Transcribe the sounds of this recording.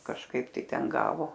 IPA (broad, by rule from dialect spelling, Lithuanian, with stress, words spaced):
kɐʃˈkɐɪp ˈtɐɪ ˈtʲɛn ˈɡɑːʋoː